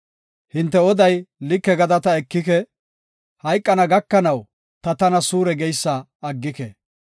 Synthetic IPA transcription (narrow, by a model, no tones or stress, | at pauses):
hɪnt̪ːɛɔd̪ɐjlɪkːɛɡɐd̪ɐt̪ɐɛkːɪkɛ | hɐjkʼːɐnɐɡɐkːɐnɐw | t̪ɐt̪ɐnɐsuːɾɛɡɛjsːɐː | ɡːɪkɛ